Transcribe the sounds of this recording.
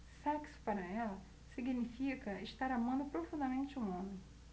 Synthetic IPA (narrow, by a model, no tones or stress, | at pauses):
sɛksʊ̥paɾɐɛlɐ | siɡinifikɐeʃt̪aɾamɐ̃nd̪ʊpɾofũnd̪ɐmẽnt͡ʃɪũõmẽj̃